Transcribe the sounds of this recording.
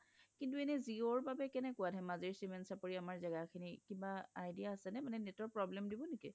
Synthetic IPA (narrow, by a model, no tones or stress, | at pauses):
kint̬uɛnɛzioɹbabɛkɛnɛkʊwadʰʱɛmazeɹsimɛntsapoɹiamaɹzɛɡakʰinikibaajdijaːsɛnɛmanɛnɛtɔɹpɹɔblɛmdibɔniki